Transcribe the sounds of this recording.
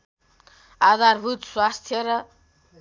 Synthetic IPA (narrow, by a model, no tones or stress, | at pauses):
ad̪aɾbʱut̪swast̪ʰjʌɾʌ